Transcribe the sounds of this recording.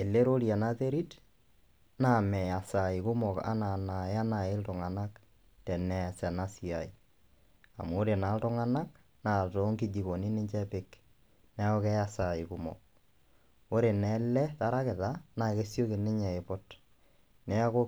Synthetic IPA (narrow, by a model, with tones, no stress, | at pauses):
e˨le˦ɾo˦ɾja˨na˦te˦ɾi˦t | na˨mɛ˨ja˨sa˨ɪ˨kʊ˦mɔ˨ka̰˦na˨na˨˦a˦na˨ɪ˦ltʊ˨ŋa˨na˦k | tɛ˨nɛ˨sɛ˨na˦si˨a̰˨ɪ˨ | a̰˨mː˦ɾe˨na˨˦ltʊ˦ŋa˦na˦k | na˨tɔ˦ŋkɪ˦d͡ʒi˨ko˨nɪ˦nɪ˦ɲt͡ʃɛ˦pɪ˦k | nɛ˦ɔ˦kɛ˦ja˨sa˨ɪ˨kʊ˦mɔ̰˨k̚ | o˦ɾe˨nɛlɛ˦ta˦ɾa˦kɪ˨ta˦na˨ke˦sjo˦kɪ˨nɪ˦ɲɛ˨ɪ˨pɔ˦t | nɛ˦a˦ko˦